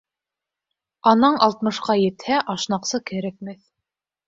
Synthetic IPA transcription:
ɑnɑɴʔɑlˠt̪mɤ̆ʃqɑjɘ̆t̪hæʔɑʃnɑqsɤkæɾæk̚mɘθ

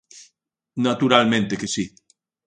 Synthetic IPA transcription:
nat̪uɾalmẽnt̪ekesi

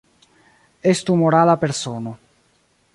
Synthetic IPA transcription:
est̪umoɾalapeɾsoːno

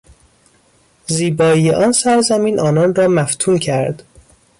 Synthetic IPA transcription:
ziːbɒːijeʔɒːnsæɾzæmiːnʔɒːnɒnrɒːmæft̪ʰuːncʰæɾd̪

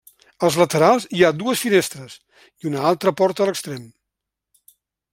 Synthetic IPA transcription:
əlˠzlət̪əɾalˠziad̪uəsfinest̪ɾəz | iunəalˠt̪ɾəpɔɾt̪ələkst̪ɾem

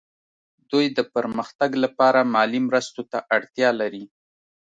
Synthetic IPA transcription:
d̪ujd̪əpəɾməxt̪aɡlapɑɾamɑlimɾəst̪ot̪aʔaɽt̪jɑlaɾi

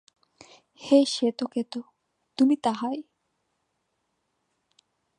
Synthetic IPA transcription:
heʃet̪oket̪o | t̪umit̪aɦaj

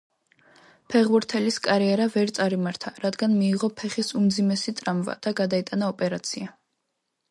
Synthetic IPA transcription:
pʰɛʁbuɾt̪ʰɛliskʼaɾiɛɾavɛɾt̪sʼaɾimaɾt̪ʰaɾad̪ɡanmiːʁɔpʰɛχisumd̪zimɛsit̪ʼɾamva̰d̪̥aɡad̪ait̪ʼanaɔpʼɛɾat̪sʰia

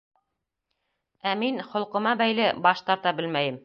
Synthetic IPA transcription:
æminχŏlˠqɤ̆mɑbæjlɘbɑʃt̪ɑɾt̪ɑbɘlmæjɘm

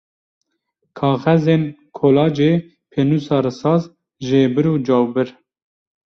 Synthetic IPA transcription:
kʰɑːɣɛzeːnkʰoːlɑːd͡ʒeː | pʰeːnuːsɑːɾɨsɑːz | ʒeːbɨɾuːd͡ʒɑːwbɨɾ

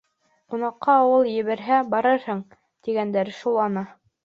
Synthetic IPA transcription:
qunɑqːɑːwɤlˠjɘ̆βæɾɦæbɑɾɤɾhɤɴ | t̪iɡænd̪æɾʃulˠɑnɤ

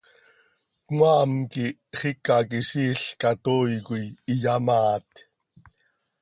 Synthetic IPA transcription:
kŋaːmkiχikakiʃiːɬkat̪oːjkujijamaːt̪

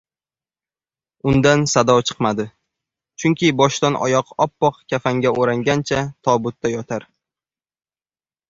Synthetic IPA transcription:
ʊnd̪ansad̪ɒwt͡ʃʰɨ̥qmad̪ɪ | t͡ʃʰʊŋkʲɪbɒʃt̪anʔɒ̰jɒqɒpːɒqkʲʰafaŋɡʲaoɾaŋɡʲant͡ʃʰat̪ʰɒbʊt̪ːajɒt̪ʰaɾ

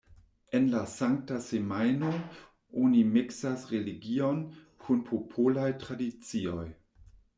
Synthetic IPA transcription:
e̞nlasaŋk̚tasemajno | onimiksasɾeliɡio̞n | kʰunpʰopʰolajtɾadit͡sio̞j

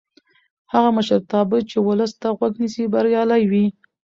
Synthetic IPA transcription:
haɣaməʃəɾt̪ɑbət͡ʃewʊləst̪aɣwaɡnisibaɾjɑlajwi

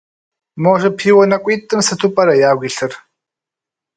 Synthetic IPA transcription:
moːʒɪpʰiːwɐnɐkʷʼiːtʼɨmsɨtʰʊpʼɐɾɐjaːɣʷiːɬɨr

